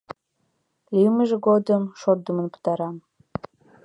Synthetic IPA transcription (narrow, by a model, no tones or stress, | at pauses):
liməʒeɡod̪əmʃord̪umə̆npə̥t̪ɑɾɑm